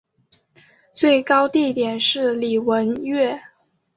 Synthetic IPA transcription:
t͡swe˥˩ɪkɑ˥ʊt̪i˥˩t̪jɛ˨˩nʂɻ̩˥˩li˨˩wə˧˥nɥɛ˥˩

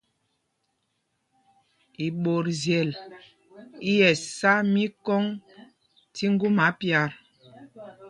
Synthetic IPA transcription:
i˨ɓo˨ɾzjɛ˨l | i˦jɛ˨sa˦mi˦kɔ˦ŋ | ti˦ŋ˦ɡu˦ma˨˦pja˨ɾ

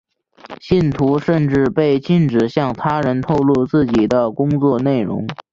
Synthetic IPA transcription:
ɕi˥˩nt̪ʰu˧˥ʂə˥˧nʈ͡ʂɻ̩˥˧pe˥˩˧ɪt͡ɕi˥˩nʈ͡ʂɻ̩˨˩ɕjɑ˥˩ŋt̪ʰa˥ɻə˧˥nt̪ʰo˥˧ʊlu˥˧t͡sɹ̩˥˩t͡ɕi˨˩d̪ə˦kʊ˥ŋt͡swɔ˥˧ne˥˩ɪɻʊ̰˧˥ŋ

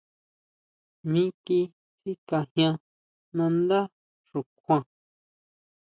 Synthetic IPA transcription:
mĩ˦ki˧ | si˦ka˧hj̃ã˧ | nã˧nd̪a˦ | ʂu˨kʰʷã˧˨

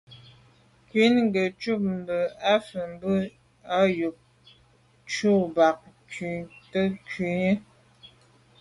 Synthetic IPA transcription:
kɥi˨˦nŋɡə˨t͡ʃu˦˨p̚m̩˨bə˨a˦fə˨m˦bə˦ | a˦ju˨p̚ | t͡ʃu˦˨ba˨k̚ | ki˨tə˦ki˨ɲə˦

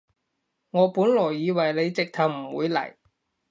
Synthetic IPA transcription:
ŋɔː˨˧puː˨˥nlɔː˨˩jːiː˨˧wɐ˨˩jle˨˧jt͡sɪ˨k̚t̪ʰɐ˨˩wm̩ː˨˩wṵː˨˧jlɐ̰˨˩j

